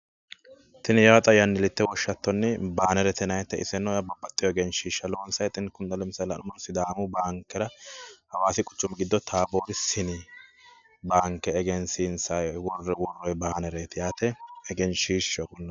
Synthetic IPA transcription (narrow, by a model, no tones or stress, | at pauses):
t̪ɪnjat̪ʼɐjɐnːɪlɪt̪ːɛwɔʃːɐt̪ːɔnːɪbaːnɛɾɛt̪ɛnɐjt̪ːɛɪsɛnːɔjɐbɐbːɐt̪ʼːɪjɔɛɡɛnʃiːʃːɐloːnsɐjt̪ʼɪnkʊnd̪ɐlɛmsɐlɐ̰nʊmɔnsɪd̪aːmʊbaːŋkːɛɾɐhɐwaːsɪkʼʊ̥t͡ʃːʊmɪɡɪd̪ːɔt̪ʰaːboːɾɪsɪni | baːŋkːɛːɡɛnsinsɐjwɔrːɛwɔrːɔjbaːnɛɾeːt̪jaːt̪ɛɛɡɛnʃiːʃɔkʼʊnːɐ